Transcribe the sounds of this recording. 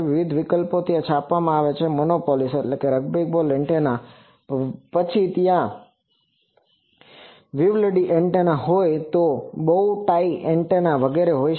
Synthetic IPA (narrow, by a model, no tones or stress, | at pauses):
ʋɪʋid̪ʱʋikəlpot̪jãt͡ʃʰapʋamãaʋet͡ʃʰemonopoliseʈlekeɾəɡ̚bek̚bolɛɳʈena | pət͡ʃʰit̪jã | ʋiʋləɖiʔeɳʈenaɦojt̪obəuʈaiɛɳʈenaʋəɡeɾeɦoj